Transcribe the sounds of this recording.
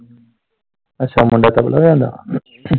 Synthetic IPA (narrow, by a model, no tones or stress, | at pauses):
ətːʃʰaːmʊ̃ɳɖaːt̪abə̰lʔaojãːnd̪a̰ː